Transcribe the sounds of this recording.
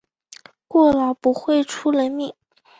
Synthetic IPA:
kwɔ˥˩lɑ˨˩ŋpu˧˥xwe˥˩ɪʈ͡ʂʰu˥lə˧˥nmi˨˩˦ŋ

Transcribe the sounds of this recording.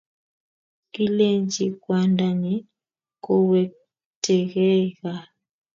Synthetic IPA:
ki˦le˦ɲd͡ʒi˨kwa˨nda˨ɲi˦ | ko˨wɛ˨ | tɛ˨ɣɛ˦ɣa˨

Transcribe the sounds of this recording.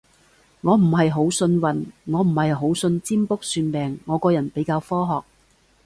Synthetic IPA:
ŋɔː˨˧m̩˨˩ɦɐ˨jɦo˨˥wsɵ˧nwɐ˨nŋɔː˨˧m̩˨˩hɐ˨jɦo˨˥wsɵ˧nt͡siː˥mpʊ˥k̚syː˧npɛː˨ŋːɔː˨˧kɔː˧jɐ˨˩npe˨˥jkaː˧wfɔː˥ɦɔː˨k̚

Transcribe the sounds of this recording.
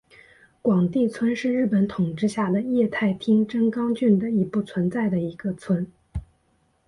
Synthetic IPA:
kwɑ˨˩ŋt̪i˥˩t͡sʰwə˥nʂɻ̩˥˧ɻɻ̩˥˩pə˧˥nt̪ʰʊ˨˩ŋʈ͡ʂɻ̩˥˧ɕja˥˩d̪ə˩jɛ˥˧t̪ʰa˥˩ɪt̪ʰi˥ŋʈ͡ʂə˥ŋkɑ˥ŋt͡ɕy˥˩nd̪ə˩i˧˥pu˥˩t͡sʰwə˧˥nt͡sa˥˩ɪd̪ə˩i˧˥ɡə˧t͡sʰwə˥n

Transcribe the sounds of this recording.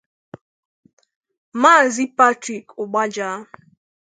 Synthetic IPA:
maː˦˨zi˦pa˦tɾi˨kʊ˨ɡ͡ba˦d͡ʒaː˦

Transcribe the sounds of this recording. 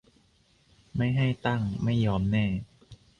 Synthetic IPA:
ma˥˩jɦa˥˩jt̪a˥˩ŋma˥˩jːɔː˧˦˥mnɛː˥˩

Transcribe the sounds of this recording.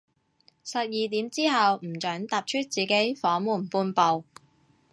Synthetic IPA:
sɐ˨p̚jiː˨˩t̪iː˨˥mt͡siː˥ɦɐ˨wm̩˨˩t͡ʃœː˨˥ŋt̪aː˨p̚t͡ʃʰɵ˥t̚t͡siː˨ke˨˥jfɔː˨˥muː˨˩npuː˧npo˨w

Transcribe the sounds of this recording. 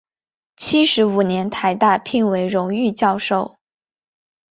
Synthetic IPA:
t͡ɕʰi˥ʂɻ̩˧˥u˨˩njɛ˧˥nt̪ʰa˧˩ɪt̪a˥˧pʰi˥˩ŋwe˧˥ɪɻʊ˧˥ŋy˥˧t͡ɕjɑ˥˧ʊʂo˥˩ʊ

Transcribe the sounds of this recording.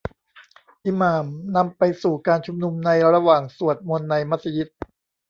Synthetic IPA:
ʔiː˨˧maː˨˩mna˧mpa˧jsuː˨˩kaː˧nt͡ɕʰu˧mnu˧mna˧jɾɾa˧waː˨˩ŋsu˨˩ət̪̚mo˧nːa˧jma˦˥t̪sa˧ji˦˥t̪̚

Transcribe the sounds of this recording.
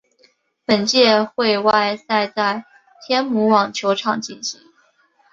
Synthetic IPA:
pə˨˩nt͡ɕjɛ˥˧xwe˥˧ɪwa˥˧ɪsa˥˧ɪt͡sa˥˩ɪ | t̪ʰjɛ˥nmu˧˥wɑ˨˩ŋt͡ɕʰjo˧˥ʊʈ͡ʂʰɑ˨˩ŋt͡ɕi˥˩nɕi˧˦ŋ

